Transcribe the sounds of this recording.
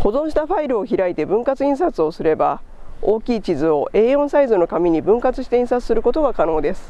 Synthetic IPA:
ho̞zõ̞ɰ̃ɕi̥t̪aɸaiɾɯ̟o̞çiɾait̪e̞bɯ̟̃ŋkat͡sɨĩɰ̃sat͡sɨo̞sɨɾe̞ba | o̞ːkʲiːt͡ɕizɨo̞e̞ːõ̞ɰ̃saizɨno̞kamʲiɲ̟ibɯ̟̃ŋkat͡sɨɕi̥t̪e̞ĩsat͡sɨ̥sɨɾɯ̟ko̞t̪o̞ɡakano̞ːd̪e̞sɨ̥

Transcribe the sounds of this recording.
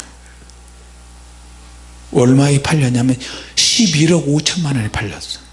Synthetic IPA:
wʌɭmaipʰaʎːʌɲamjʌnɕʰibiɾʌɡot͡ɕʰʌnmanʌnepʰaʎːʌs͈ʌ̥

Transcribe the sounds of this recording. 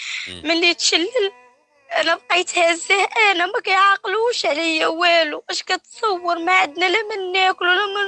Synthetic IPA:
mənːit̪ʃælːəl | ʔænæbqijt̪hæzæhʔænæmækæjʕɑqluʃʕlɪjːæwæːluʔæʃkæt̪sˤɑwːəɾmaʕad̪nælæmənːæklulæm

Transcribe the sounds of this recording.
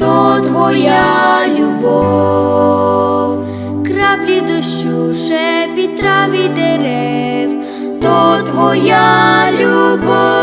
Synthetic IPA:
t̪ɔt̪ʋɔjalʲubɔ | w | kɾablʲid̪ɔʃuʃɛpʲit̪ɾaʋʲid̪ɛɾɛw | t̪ɔt̪ʋɔjalʲubɔ

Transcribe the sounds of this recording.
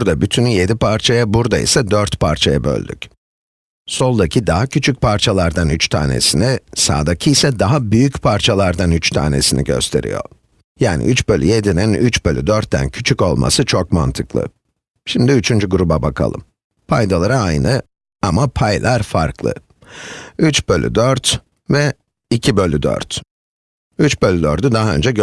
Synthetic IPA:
ɾd̪abyt̪ʰynje̞d̪ipʰaɾt͡ʃʰajabuɾd̪aḭsɛd̪øɾt̪pʰaɾt͡ʃʰajabø̞̰lʲd̪yc | so̞lˠd̪acʰid̪aɦacʰyt͡ʃʰyc̚pʰaɾt͡ʃʰalˠaɾd̪anyt͡ʃt̪ʰa̰ːnḛsinisa̰ːd̪acʰijsɛd̪aɦabyjycpʰaɾt͡ʃʰalˠaɾd̪anyt͡ʃt̪ʰa̰ːne̞̰sinḭɟø̞̰st̪ʰe̞̰ɾḭjo̞̰ | jaːnḭʔyt͡ʃbø̞lʲyje̞d̪ininyt͡ʃbø̞lʲy̰d̪øɾt̪ːæ̰ncʰyt͡ʃʰyko̞lˠmʔa̰sɯt͡ʃʰokma̰nt̪ʰɯklˠɯ̰ | ʃimd̪iyt͡ʃʰynd͡ʒyɡuɾubabakʰa̰lˠɯ̰m | pʰajd̪alˠaɾaajnɯ | amapʰajlʲˠaɾfa̰ɾklˠɯ̰ | yt͡ʃbølʲy̰d̪øɾt̪ | vɛ | icʰibø̞lʲyd̪ø̰ɾt̪ | yt͡ʃbø̞lʲyd̪øɾd̪yd̪aɦaø̞̰nd͡ʒɛɟ

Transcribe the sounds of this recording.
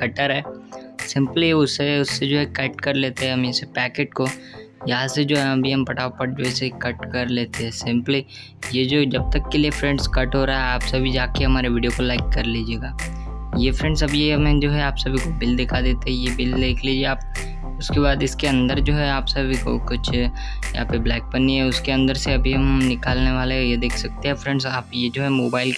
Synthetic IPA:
kɐʈəɾɦɛːsɪ̃mpliʊseʊsːed͡ʒoːɦɛkɛːʈkɐɾleːt̪eɦɛ̃ɦɐmɪsepɛːkeːʈ̚ko | jɐɦãsed͡ʒoːɦɛɦɐ̃bʱiɐmpɐʈʰaːopɐʈ̚d͡ʒoːɛsekɐʈkɐɾleːt̪eɦɛːsɪ̃mpli | jed͡ʒoːd͡ʒɐb̚t̪ɐkːeliefɾɛ̃ɳɖʈskɐʈɦoːɾaaɦɛaːpsebʱid͡ʒaːkeɦɐmaːɾeʋɪɖijokolaɪkːɐɾliːd͡ʒieːɡaː | jefɾɛ̃ɳɖsɐbjeɦɐmẽd͡ʒoːɦɛaːpsebʱikobɪld̪ɪkʰad̪eːt̪eɦɛ̃jebɪld̪eːkʰliːd͡ʒieaːp̚ | ʊskebaːd̪ɪskeɐ̃nd̪əɾd͡ʒoːɦɛaːpsebʱiko̰kʊt͡ʃʰː | jɐɦapeblɛːk̚bɐniɦɛʊskeɐ̃nd̪əɾseɐbʱiɦɐmnɪkaːlneʋaːlejed̪eːkʰsɐk̚t̪eɦɛfɾɛ̃ɳɖsaːpjed͡ʒoːɦɛmoːbaːɪl

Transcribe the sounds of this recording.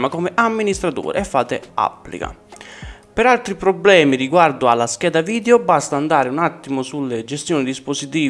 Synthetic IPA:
makɔmɪʔamːinist̪ɾat̪ṵːɾḛɛfːaːt̪ɪa̰pːlḭka̰ | pɪɾalt̪ɾipɾɔblɛːmiɾiɡward̪ʊalːaskɛːd̪aviːd̪eobast̪aːnd̪aːɾɪunat̪ːimʊsulːed͡ʒest̪joːnid̪isposit̪iː

